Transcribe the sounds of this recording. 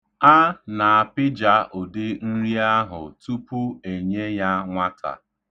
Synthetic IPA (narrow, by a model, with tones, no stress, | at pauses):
a˦na˨a˨pɪ˦d͡ʒa˦ʔo˨dɪ˦n̩˦ɾi˦a˦ɦʊ̰˨tu˦pu˦e˨ɲe˦ja˦ŋʷa˦tʰa̰˨